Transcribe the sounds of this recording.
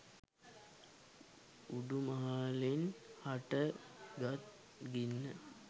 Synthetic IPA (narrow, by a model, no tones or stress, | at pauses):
uɖumaɦalenhaʈəɡat̪̚ | ɡinːə